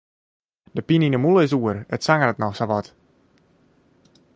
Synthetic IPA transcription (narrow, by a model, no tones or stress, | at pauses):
dəpininəmulˠəɪs̬uərətsaŋərətnɔxsaʋɔt